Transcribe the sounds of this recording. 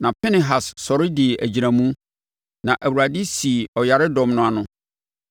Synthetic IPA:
nã˨pʰɛ˦nɪ̃˨ɦa˨ssɔ˨ɾɪ˦dɪ˨ʔæ˨d͡ʑi˨ɾã˨mũ˦ | nã˨ʔæ˨wu˨a˨dɪ˦si˨ɔ˨ja˨ɾɪ˦dɔ̃˨mnʊ̃˦a˨nʊ̃˦

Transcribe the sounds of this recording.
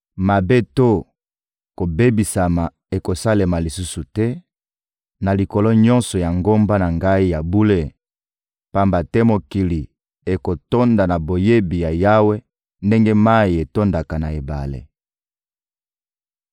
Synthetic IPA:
ma˨be˦to˦˨ | ko˨be˦bi˨sa˨ma˨ | e˨ko˨sa˦le˨ma˨li˨su˦su˨tɛ˦ | na˨li˨ko˨lo˦ɲɔ̃˦nsɔ˨ja˨ŋɡo˦mba˦na˨ŋɡa˦i˦ja˨bu˦le˦ | pa˦mba˨tɛ˦mo˨ki˨li˨ | e˨ko˨to˦nda˨na˨bo˨je˦bi˨ja˨ja˦we˦ | nde˦ŋɡe˦ma˦i˨e˨to˦nda˨ka˨na˨e˨ba̰˨lḛ˨

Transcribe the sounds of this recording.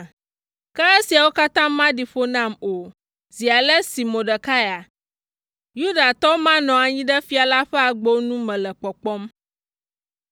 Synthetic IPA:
kɛ˦ɛ˦si˨a˨wo˦ka˦t̪ãː˦ã˦ɖi˨ɸo˦nã˦mo˨ | zi˨a˨lɛ˦si˨mõ˨ɖɛ˨ka˦ja˨ | ju˦ɖa˨t̪ɔ˦wmã˦nɔ̃˨a˨ɲĩ˦ɖɛ˦fi˦a˨la˦ɸɛ˦a˨ɡ͡bo˦nũ˦mɛ̃˨lɛ˨k͡pɔ˨k͡pɔ˦m

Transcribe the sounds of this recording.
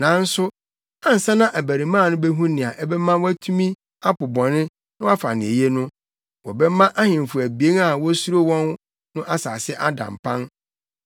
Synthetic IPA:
nã˨˦n̩˦sʊ˦ | ã˦n̩˨sã˦nã˦ʔæ˨bæ˨ɾi˨mã˦˨nʊ̃˦bɛ˦ɦũ˦nɪ̃˨a˨ʔɛ˦bɛ˦mã˦wɔ˦æ˦tʰũ˦mĩ˦ | a˦pʊ˨bɔ̃˨nɪ̃˦ | nʊ̃˦a˦fa̰˨nɪ̃˨e˨je˦nʊ̃˦ | wɔ˨bɛ˦mã˦ʔa˦hɪ̃˨m˨fʊ˨æ˨bi˨e˦na˨wɔ˦su˦ɾo˦wɔ̃˦n | nʊ̃˦ʔa˦saː˨sɪ˦ʔa˦dã̰˨m˨pʰã˦n

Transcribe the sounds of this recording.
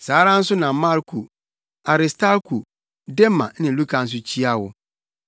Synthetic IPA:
saː˨˦ɾã˦n̩˦sʊ˦nã˨mã˦ɾkʰu˨ | a˨ɾɪ˨stʰa˦ɾkʰu˨ | dɛ˦mã̰˨nɪ̃˨˦lu˦kʰã˨n̩˦s̬ʊ˦t͡ɕʰi˦a˦wʊ˨

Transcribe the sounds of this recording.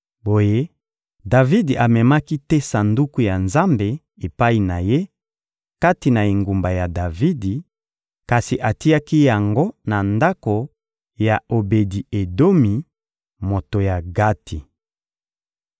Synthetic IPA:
bo˨je˦ | da˨vi˦di˨a˨mɛ˨ma˦ki˦tɛ˦sa˨ndu˦ku˦ja˨nza˦mbe˨ | e˨pa˦i˨na˨je˦ | ka˦ti˨na˨e˨ŋɡu˨mba˨ja˨da˨vi˦di˨ | ka˨si˨ʔa˨ti˦a˦ki˦ja˨ŋɡo˦na˨nda˦ko˨ | ja˨o˨be˨di˨e˨do˦mi˨ | mo˨to˨ja˨ɡa˦tʰi˨

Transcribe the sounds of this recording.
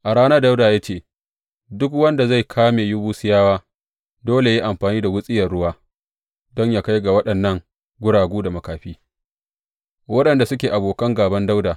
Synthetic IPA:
ʔa˨ɽaː˦na˦da˦wdaː˨ja˦t͡ʃeː˦˨ | dʊ˦kwɐ˦nda˨za˦˨jkʰaː˦meː˨ju˦buː˦sɪ˦jaː˦waː˦ | doː˦le˨ji˦ʔa˨mɸaː˨niː˦da˨wʊ˦sʼɪ˦jɐ˨rɽʊ˦waː˦ | dɔ˦ɲjaː˦ka˦jɡa˨wɐ˦ɗɐ˨nːɐ˦ŋ | ɡʷʊ˦ɽaː˨ɡʷuː˦da˨mɐ˨kaː˨ɸiː˦ | wɐ˦ɗɐ˨nda˨sʊ˦kʲeː˨ʔa˨boː˨kɐ˦ŋɡaː˨bɐ˦nda˦wdaː˨

